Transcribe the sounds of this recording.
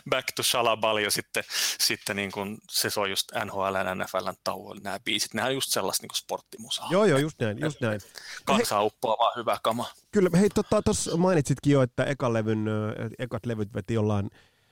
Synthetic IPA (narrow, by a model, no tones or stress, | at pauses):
bækt̪uʃɑlɑbɑljosit̪ːesit̪ːeniːŋkunsesojust̪ænhoːælænænæfælːænt̪ːɑ̰uo̰lʲnæːb̥iːsi̥t̪nehænjust̪selːɑ̰st̪niːŋko̥sport̪ːimusɑ̥joːjoːjust̪næinjust̪næinkɑnsɑupːoɑʋɑːhyʋækɑmɑkylːheit̪ot̪ːɑt̪osmɑinit̪ʲsit̪kijoet̪ːæʔekɑlːeʋyn̰ekɑt̪leʋyt̪ʋet̪ijolːɑin